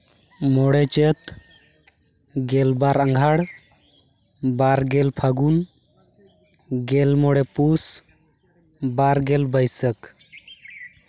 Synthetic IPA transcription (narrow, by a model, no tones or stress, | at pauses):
mɔɽɛt͡ʃet̪ | ɡɛlbaɾãŋɡʱaɽ | baɾɡɛlpʰaɡun | ɡɛlmɔɽɛpus | baɾɡɛlbəjsək